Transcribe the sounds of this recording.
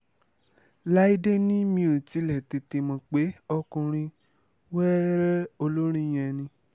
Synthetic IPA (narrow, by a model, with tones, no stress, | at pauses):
la˦i˦de˦nĩ˦mĩ˧o˨ti˨˧˦lɛ˨ti˧ti˧mɔ̃˧k͡pe˨˦ɔ˧kũ˧ɾ̃ĩ˧ | wɛ˦ɾɛ˦o˧lo˦ɾ̃ĩ˦˨j̃ɛ̃˧nĩ˧